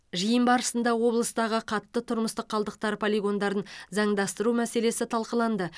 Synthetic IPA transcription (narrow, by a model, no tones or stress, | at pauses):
ʒijəmbɑɾəsənd̪ɑwo̞blˠəst̪ɑʁəqʰɑt̪ːət̪ʰʊɾməst̪əqʰːɑlˠd̪əq̚t̪ɑɾpʰolʲiɡo̞nd̪ɑɾənzɑɴd̪ɑst̪əɾumæse̞le̞sɪt̪ʰɑlˠqəlˠɑnd̪ə